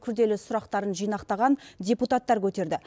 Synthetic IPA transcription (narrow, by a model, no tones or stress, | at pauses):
kʲʰʏɾd̪e̞lɪsʊɾɑqt̪ɑɾənʒijnɑqt̪ɑʁɑndʲeput̪at̪ːɑɾkʲʰɵt̪e̞ɾd̪ɪ